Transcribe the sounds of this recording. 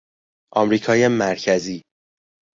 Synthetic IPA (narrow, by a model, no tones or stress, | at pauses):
ʔɒmɾiːkʰɒːjemæɾcʰæziː